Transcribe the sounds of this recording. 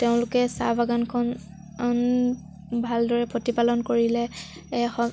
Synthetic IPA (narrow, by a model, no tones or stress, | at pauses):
teʊ̃lʊkɛsa̰bʱaɡankʰɔn | n | bʱaldɔɹɛpɹotipalɔnkoɹilɛ | xɔ